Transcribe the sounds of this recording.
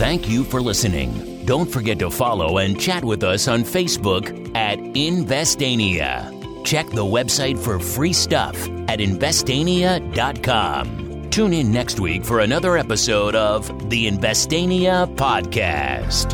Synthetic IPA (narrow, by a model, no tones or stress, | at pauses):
θæ̃ŋkjɨfə˞lɪsɨnɪ̰̃ŋ | dõʊ̃ntfə˞ɡɛtəfɑlˠoʊɨ̃nt͡ʃʰæt̚wɨðʌsn̩feɪsb̥ʊk | ɨɾɪ̃nvɛstẽɪ̃niɨ̰ | t͡ʃʰɛk̚ðəwɛbsaɪtfə˞fɹistʌ̰f | ɨɾɨ̃ɱvɛstẽɪ̃niɨdɑt̚kʰɑ̰̃m | tʰʉ̃nɪ̃nːɛkst̚wḭkfə˞ɨnʌðə˞ɛpɨsoʊɾʌv | ðiɨ̃ɱvɛstẽɪ̃niəpʰɑd̚kʰæ̰st